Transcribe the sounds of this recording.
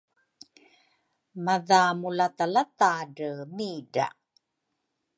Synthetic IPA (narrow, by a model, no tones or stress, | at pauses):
maðamulat̪alat̪aɖəmiːda̰